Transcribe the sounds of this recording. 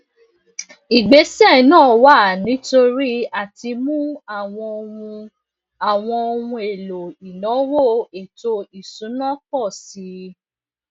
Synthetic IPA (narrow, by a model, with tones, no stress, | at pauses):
i˨ɡ͡be˨˦sɛ˦˨nãː˦˨wa˦˨nĩ˨˦to˧ɾi˦a˦˨ti˧mũ˦a˦˨w̃ɔ̃˧o˧ũ˧ | a˨w̃ɔ̃˧o˧ũ˧e˨lo˨i˨nɔ̃˨˦wo˦˨e˨to˧i˨sũ˨˦nɔ̃˦kɔ˦˨si˨˦